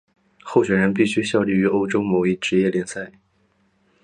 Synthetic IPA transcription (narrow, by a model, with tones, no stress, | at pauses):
xo˥˩ʊɕɥɛ˨˩nɻə˧˥np̬i˥˩ɕy˥ɕjɑ˥˧ʊly˥˩y˧˥o˥ʊʈ͡ʂo˥ʊmo˧˥ʊi˥˩ʈ͡ʂɻ̩˧˥jɛ˥˩ljɛ˧˥nsa˥˩ɪ